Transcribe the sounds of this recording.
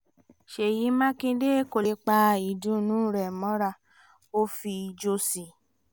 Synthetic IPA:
ʃe˨ji˨˦mã˦kĩ˧de˦ko˨le˨˧˦k͡pa˧i˨dũ˨˦nũ˨˦ɾɛ˨mɔ̃˨˦ɾa˧˨ | o˦fi˧d͡ʒo˧si˨

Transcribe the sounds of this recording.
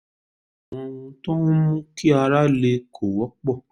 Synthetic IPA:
ɔ̃˨wũ˧tɔ̃˦ũ˦mũ˦ki˦a˧ɾa˦le˧kʰo˨wɔ˨˦k͡pɔ˦˨

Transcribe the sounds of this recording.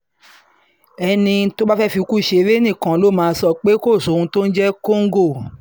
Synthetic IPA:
ɛ˧nĩ˧˦to˦ba˦fɛ˦fi˧u˧ku˦˨ʃe˧˦ɾe˦nĩ˦˨kã˨lo˨˦˨mãː˨˧˦sɔ˦˨k͡pe˦ko˦˨so˨˦˨ũ˧to˦n̩˦d͡ʒɛ˦ko˦ŋ̩˦ɡo˦˨

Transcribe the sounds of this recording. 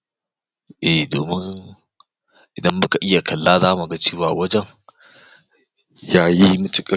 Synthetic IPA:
ʔɛ˨doː˨mɪ˦ŋ | ʔɪ˨dɐ˦mːɐ˦ka˨ʔɪ˦ja˨kʰɐ˨lːaː˦zaː˦mu˨ɡa˦t͡ʃeː˦waː˨wɐ˦d͡ʒɛ˦ŋ | jaː˦ji˦mʊ˦tʊ˦kʼɐ˨

